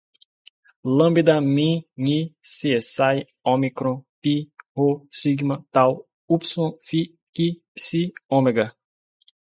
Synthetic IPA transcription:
lɐ̃mbid̪ɐmĩɲisiesaj | õmikɾõpihosiɡmɐt̪aw | upsõfi | kipsiõmeɡɐ

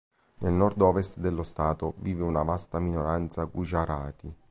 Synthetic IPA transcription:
nelnɔrd̪ɔːvest̪d̪elːost̪aːt̪oviːveunavast̪aminoɾant̪saɡud͡ʒaɾaːt̪i

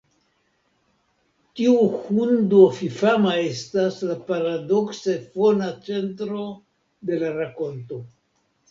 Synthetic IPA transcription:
tiuhundofifamae̞staslapaɾado̞ksefonat͡se̞ntɾo | de̞laɾako̞nto̞

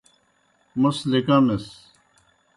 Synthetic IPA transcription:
mʊslekãːmes

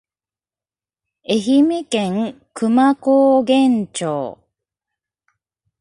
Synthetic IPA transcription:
eçimekẽŋ | kʰɯmakoːɡẽɲt͡ɕo̰ː

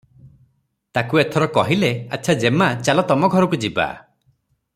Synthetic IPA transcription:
t̪akuet̪ʰɔɾɔkɔɦilea̰tːt͡ʃʰad͡ʒemat͡ʃalɔt̪ɔmɔɡʱɔɾɔkud͡ʒiba̰

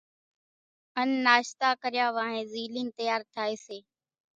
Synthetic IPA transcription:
ənːaːʃt̪aːkəɾɪjaːʋãːɦẽːziːliːnt̪əjaːɾt̪ʰaːeːseː

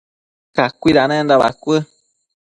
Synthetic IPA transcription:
kakʷiɾanẽnd̪aβa̰kʷɨ

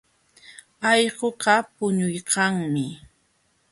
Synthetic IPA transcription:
ɑjɢoqɑpʊɲʊjqɑŋmɪ

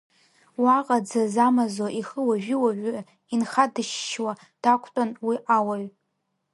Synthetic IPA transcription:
waqʼad͡zazamazoʔiχəwaʒᶣɪwaʒɪ | inχadɨʃːwa | d̥akʷʰtʼanwiʔawaɥ

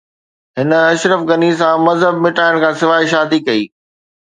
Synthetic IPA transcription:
ɦɪnə̆ɐʃɾəfɡɐnis̬ãmɐzɦəbmɪʈaːɪɽ̃kʰãːsɪʋaːiʃ̬aːd̪ikɐiː

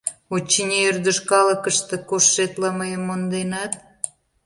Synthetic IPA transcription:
ot͡ɕːinʲeyrd̪əʃkɑlə̆kə̆ʃt̪ə̆koʃːet̪lɑməjəmond̪enɑt̪̚

